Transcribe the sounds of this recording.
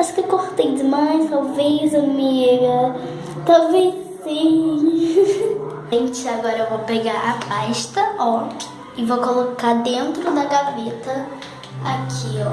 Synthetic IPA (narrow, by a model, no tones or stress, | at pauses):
aʃʊ̥kewkoɾt̪ejd̪ɪmajst̪awvezamiɡɐ | t̪awvejzsĩ | ẽj̃t͡ʃɪaɡɔɾɐewvopeɡaɾapʰajʃt̪ɐɔk | ɪvokolokad̪ẽnt̪ɾʊd̪ɐɡavet̪ɐ | akʰiɔ